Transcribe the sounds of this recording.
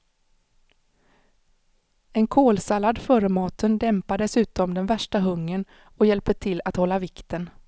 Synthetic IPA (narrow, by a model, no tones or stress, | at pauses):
ɛnkʰoːlsalːad̪fœːɾəmɑːt̪ʰənd̪ɛmpad̪ɛsʉ̟ːt̪ɔmd̪ɛnvæʂʈaɦɵŋːən | ɔjɛlpət̪ʰɪlːat̪hɔlːavɪkt̪ən